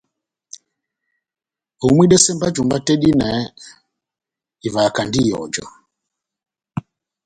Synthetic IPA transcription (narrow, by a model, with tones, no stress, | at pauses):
ɔ˨˦mwi˦ɗɛ˦sɛ˦mba˦d͡ʒu˨mba˦tɛ˦ɗi˦nɛ˨˦ | i˨va˨ka˨ndi˦jɔ̰˨d͡ʒɔ̰˨